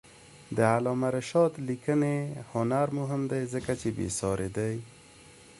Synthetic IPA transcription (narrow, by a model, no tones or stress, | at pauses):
d̪əalɔmaɾaʃɑd̪likənehʊnaɾmʊɦɪmd̪ajzəkat͡ʃebḛsɑɾed̪aj